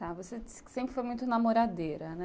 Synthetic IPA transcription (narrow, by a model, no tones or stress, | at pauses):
t̪avoseisksẽmpɾɪfojmũj̃t̪ʊnamoɾad̪eɾɐnɛ